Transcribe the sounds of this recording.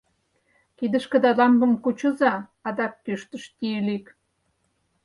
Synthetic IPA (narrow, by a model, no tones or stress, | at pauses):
kid̪ə̆ʃkə̆d̪ɑlɑmbə̆mkut͡ɕə̆zɑːd̪ɑkːøʃt̪ə̆ʃt̪ilik